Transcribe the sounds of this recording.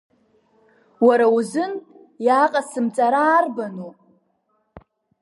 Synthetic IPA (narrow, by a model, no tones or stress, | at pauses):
waɾauzɨn | jaqʼasɨmt͡sʼaɾaːrbanopʼ